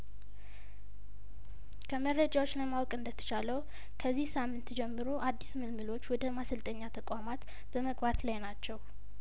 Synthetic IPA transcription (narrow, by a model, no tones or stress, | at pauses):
kʰəməɾːəd͡ʒawot͡ʃːləmawkʼɨnd̪ət̪ʰə̥t͡ʃʰaləw | kʰəzːihsamːɨnt̪d͡ʒɛmːɨɾoʔad̪ːismɨlmɨlo̞t͡ʃːwɔd̪əmasəlt̪ʼəɲːat̪ʰəkʼʷamat̪ | b̥əməɡbat̪lajnat͡ʃːɛw